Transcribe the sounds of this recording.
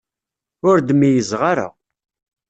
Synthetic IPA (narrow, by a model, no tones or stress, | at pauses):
ʊɾd̪mijəzʁaɾa̰